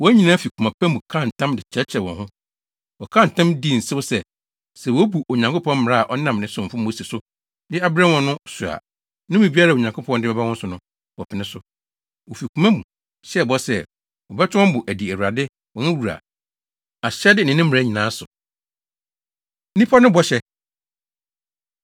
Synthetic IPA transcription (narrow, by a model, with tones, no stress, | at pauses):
wɔ˨˦æ˦ɲĩ˨nãː˦fi˨kʰu˨mã˨pʰæ˦mũ˨kʰã˦n˨tʰã˦mdɪ˨t͡ɕʰɛ˦t͡ɕʰɛ˨wɔ̰̃˨hʊ̃˦ | wɔ˨kʰã˦n˨tʰã˦mdi˦˨n̩˨sɪ˦ʊ˦sɛ˨ | sɛ˨wɔ˦bu˨ʔo˨ɲã˨ŋkʊ˦pʰɔ̃˦m˦mɪ̃˨ɾa˦a˨ʔɔ˦nã˦˨mnɪ̃˨˦sʊ̃˨ɱ̩˨fʊ̃˦mo˦se˨sʊ˦ | dɪ˦a˦bɪ˦ɾɛ˦wɔ̃˨nʊ̃˦sʊ˨a̰˨ | nʊ̃˦bĩ˨bi˦a˦ɾa˦˨o˨ɲã˨ŋkʰʊ˦pʰɔ̃˦ndɪ˦bɛ˦ba˦wɔ̃˦sʊ˨nʊ̃˦ | wɔ˨pʰɪ˨nɪ̃˦sʊ˨ | wo˨fi˨kʰu˨mæ̃˦mũ˨ | ɕɛ˦˨bɔ˦sɛ˦ | wɔ˨bɛ˦tʰʊ˦ɔ̃˦m˦bʊ˨ʔæ˨di˨æ˨wu˨ɾa˨dɪ˦ | wɔ̃˨nʊ̃˦wu˨ɾa̰˨ | a˨ɕɛ˦dɪ˦nɪ̃˨nɪ̃˦mɪ̃˨ɾa˦ɲĩ˨nã˨˦sʊ˨ | nĩ˦pʰɔ˦nʊ̃˦bɔ˦ɕɛ˦